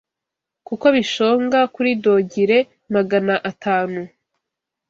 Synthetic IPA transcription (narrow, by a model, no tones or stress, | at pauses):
kuko̞βiʃoːŋɡakuɾido̞ɟiɾe̞ | maɡanaʔatʰaːnu